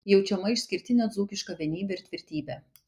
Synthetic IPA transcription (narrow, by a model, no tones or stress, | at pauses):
jɛʊt͡ʃʲɛmɐɪʃʲsʲkʲɪɾʲt̪ʲɪnʲɛd̪zuːkʲɪʃkɐʋʲɛnʲiːbʲɛɪɾʲt̪ʲʋʲɪɾʲt̪ʲiːbʲɛː